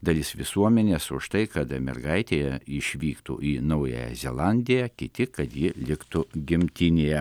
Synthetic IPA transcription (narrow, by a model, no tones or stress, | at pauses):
d̪ɐlʲɪsʋʲɪsuɔmʲɛnʲeːsʊʃt̪ɐɪkɐt̪mʲɛ̰rɡɐɪt̪ʲeːjɛɪʃʲʋʲiːkt̪ṵʔiːnɐʊjɛ̰jɛ̰zʲɛ̰lˠɑnʲd̪ʲɪjɛkʲɪt̪ʲɪkɐt̪jɪlʲɪkt̪ʊɡʲɪmʲt̪ʲɪnʲeːjɛ